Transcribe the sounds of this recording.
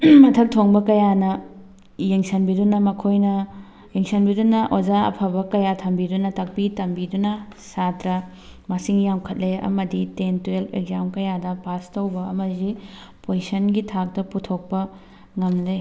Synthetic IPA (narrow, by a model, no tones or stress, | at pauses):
mɐtʰɐk̚tʰoŋbɐkɐjanɐ | jeŋsɐnbidunɐmɐkʰojnɐ | jeŋsɐnbidunɐʔozaɐ̰pʰɐbɐkɐjatʰɐmbidunɐtɐk̚pitɐmbidunɐsatɾɐ | mɐsiŋjawkʰɐt̚leɐ̰mɐditentuelḛɡzamkɐjadɐpastɐwbɐɐmɐzi | pojisɐnɡitʰak̚dɐputʰok̚pɐ | ŋɐmle